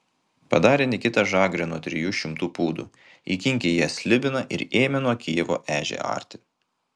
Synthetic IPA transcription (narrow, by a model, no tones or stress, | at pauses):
pɐd̪ɑːɾʲeːnʲɪkʲɪt̪ɐʒɑːɡɾʲɛːnuɔt̪ʲɾʲɪjuːʃʲɪmt̪uːpuːd̪ṵː | iːkʲɪŋʲkʲejiɛsʲlʲɪbʲɪnɐʔɪ̰ɾeːmʲɛnuɔkʲijɛʋo̰ːʔæːʒʲḛɑ̰ːɾʲt̪ʲɪ